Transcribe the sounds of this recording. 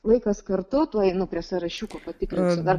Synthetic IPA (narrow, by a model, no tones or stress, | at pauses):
lˠɐɪkɐskɐɾt̪ʊt̪uɔjnʊpʲɾʲiɛsɐɾɐʃʲuːkoːpɐt̪ʲɪkɾʲɪnsʲʊd̪ɐɾ